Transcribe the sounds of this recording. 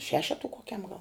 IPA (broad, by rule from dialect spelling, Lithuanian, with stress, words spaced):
ˈʃʲæːʃʲɛtʊ koːˈkʲɛm ɡɐlˠ